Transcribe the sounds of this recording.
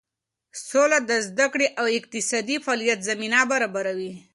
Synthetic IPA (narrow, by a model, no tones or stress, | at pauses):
solad̪əzd̪akɽeʔawɪq̚t̪ɪsɑd̪ifɑlijat̪zaminabaɾabaɾawi